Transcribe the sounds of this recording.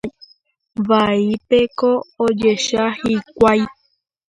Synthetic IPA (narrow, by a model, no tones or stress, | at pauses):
ʋaipekoːd͡ʒeʃahikʷaj